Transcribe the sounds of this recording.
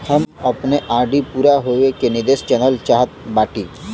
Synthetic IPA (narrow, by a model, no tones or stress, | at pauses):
həməpneʔaːɾɖipuːɾaɦoʋekenid̪est͡ʃɛnəlt͡ʃaɦət̪̚baːʈiː